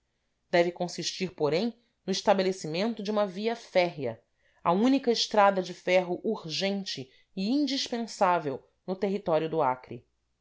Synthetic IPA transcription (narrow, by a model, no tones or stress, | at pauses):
d̪̥ɛvɪkõsiʃt͡ʃiɾpoɾẽj̃ | nʊiʃt̪abelesimẽnt̪ʊd͡ʒɪũmɐviɐfɛɦjɐ | ɐũnikɐɪʃt̪ɾad̪ɐd͡ʒɪfɛɦʊʔuɾʒẽnt͡ʃɪː | ĩnd͡ʒiʃpẽsavew | nʊt̪eɦit̪ɔɾijʊd̪ʊakɾḭ